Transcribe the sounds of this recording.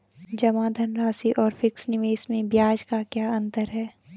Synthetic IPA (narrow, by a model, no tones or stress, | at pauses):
d͡ʒɐmad̪ʱənɾaːsiʔɔːɾfɪksnɪʋeːʃmẽbjaːd͡ʒkakjaːɐ̃nt̪əɾɦɛː